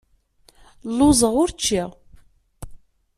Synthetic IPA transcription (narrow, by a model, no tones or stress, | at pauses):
lːʊzˤəʁʊɾt͡ʃːiʁ